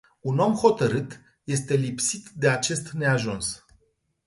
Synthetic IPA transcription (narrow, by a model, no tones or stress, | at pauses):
uno̞mho̞t̪əɾɨt̪ | je̞st̪e̞lipsit̪d̪e̞at͡ʃe̞st̪ne̞aʒuns